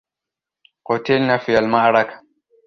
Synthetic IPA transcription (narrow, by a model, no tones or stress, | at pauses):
qʊt̪ɪlnafiːalmaʕɾˤɑkḁ